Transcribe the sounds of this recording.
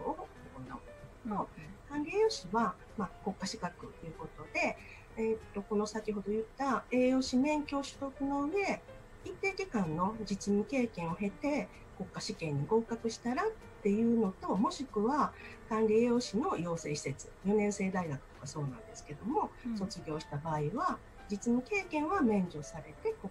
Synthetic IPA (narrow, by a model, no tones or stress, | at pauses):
oookona̰oket̪akot̪okãnɾʲijo̞ɕiβa | mako̞kːaɕi̥kakɯ̟t̪ːejɯ̟ko̞t̪o̞d̪e̞ | et̪ːo̞ko̞no̞sakʲiɦo̞d̪o̞jɯ̟t̪ːae̞ːjo̞ːɕimẽ̞ŋkʲo̞ːɕɨ̥t̪o̞kɯ̟no̞ɯ̟e̞ | ip̪ːe̞ːkʲekãnːo̞d͡ʑit͡ɕiɲ̟ike̞ːkẽ̞ɰ̃o̞ɦe̞t̪e̞ | ko̞kːaɕikẽ̞ɲ̟ːiɡo̞ːkakɯ̟ɕi̥t̪aɾatt̪ːe̞jɯ̟ːno̞t̪o̞mo̞ɕikɯ̟βakãnɾʲieːjo̞ːɕino̞jo̞ːse̞̰ːɕi̥se̞t͡sɨ̥jo̞nẽ̞ɰ̃se̞ːd̪aiɡakɯ̟̥t̪o̞̥kaso̞ːnã̰nd̪e̞sɨ̥ke̞d̪o̞mo̞so̞t͡sɨɡʲo̞ːɕi̥t̪abaːiβa | d͡ʑit͡sɨmʲike̞ːkẽ̞ɰ̃βamẽ̞ɲ̟d͡ʑo̞saɾe̞t̪e̞ko